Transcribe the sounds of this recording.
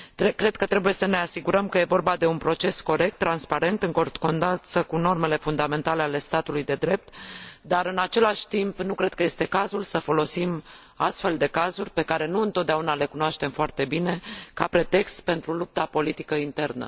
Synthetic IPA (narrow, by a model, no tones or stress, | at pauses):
t̪ekɾe̞d̪̚kət̪ɾe̞buje̞səne̞asiɡuɾəmkəje̞vo̞rbad̪e̞unpɾo̞t͡ʃe̞sko̞ɾe̞k̚t̪ːɾanspaɾe̞nt̪ɨŋkort̪ko̞nd̪asəkuno̞rme̞le̞fund̪ame̞nt̪ale̞ale̞st̪at̪ulujd̪e̞d̪ɾe̞p̚t̪d̪aɾɨnat͡ʃe̞laʃʲt̪impnukɾe̞d̪̚kəje̞st̪e̞kazulsəfo̞lo̞sim | a̰st̪fe̞ld̪e̞kazurʲpe̞kaɾe̞nuɨnt̪ot̪d̪aunale̞kunoaʃt̪e̞mfoart̪e̞bine̞kapɾe̞t̪e̞kst̪pe̞nt̪ɾulup̚t̪apo̞lit̪i̥kəint̪e̞rnə̰